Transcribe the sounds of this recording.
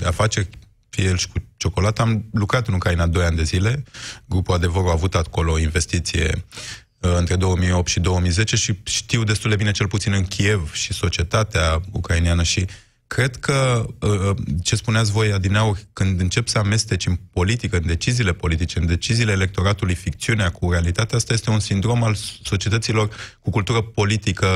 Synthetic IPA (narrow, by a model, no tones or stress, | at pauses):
d̪eafat͡ʃe̞rʲ | fielʃi̥kut͡ʃo̞ko̞lat̪əamlukɾat̪ɨnukɾainad̪o̞janʲd̪e̞zile̞ɡɾupuad̪e̞vəɾuaːvut̪ako̞loːinve̞st̪it̪sije̞̰ | ɨnt̪ɾe̞d̪o̞wəmijo̞p̚t̪ʃid̪o̞wəmijze̞t͡ʃe̞ʃiʃt̪iwd̪e̞st̪uld̪e̞bine̞t͡ʃe̞lput̪sinɨnkʲʰie̞vʃiso̞t͡ʃie̞t̪at̪eaukɾainijanəʃi | kɾe̞d̪kʰə | t͡ʃe̞spuneat̪s̬ʲvo̞jad̪inaurʲkɨnd̪ɨnt͡ʃe̞psəame̞st̪e̞t͡ʃɨnpo̞lit̪ikəɨnd̪e̞t͡ʃiziːle̞po̞lit̪it͡ʃeɨnd̪e̞t͡ʃiziːle̞ːle̞k̚t̪o̞ɾat̪ulujfikt̪siuneakuɾealit̪at̪eaast̪ajest̪e̞unsind̪ɾo̞malso̞t͡ʃie̞t̪ət̪silo̞rkukult̪uɾəpo̞lit̪ikə